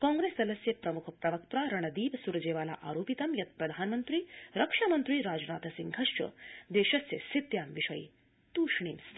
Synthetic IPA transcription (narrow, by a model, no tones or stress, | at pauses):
kɔ̃ːŋɡɾeːsɐlɐsjɐpɾɐmukʰpɾɐʋɐk̚t̪ɾaːɾɐɳɐd̪iːʋsuɾd͡ʒeːʋaːla̰ːʔa̰ːɾoːpit̪ɐmjɐt̪̚pɾɐd̪ʱaːnmənt̪ɾiːɾɐkʂamɐnt̪ɾiːɾaːd͡ʒnaːt̪ʰɐsiŋɡɡʱɐʂt͡ʃɐ̰d̪eːʃɐsjḛsit̪jaːmʋiʂɐjḭ | t̪uːʂɳiːns